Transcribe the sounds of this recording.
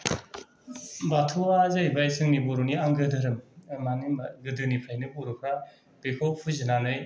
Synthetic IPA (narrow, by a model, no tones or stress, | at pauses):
batʰuazajbajsʰɯŋniboɾuniaŋɡɯdɯɾɯmmaniɡɯdɯnipʰɾajnɯbɔɾukʰɾa | b̥ekʰowpʰuzɯnanɯj